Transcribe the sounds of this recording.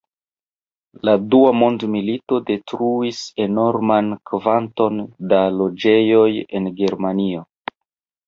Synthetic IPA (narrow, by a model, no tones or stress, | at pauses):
laduamo̞ndmilito̞de̞tɾuise̞no̞ɾmankvanto̞ndalo̞d͡ʒe̞jo̞je̞̰nɡe̞ɾmanio̞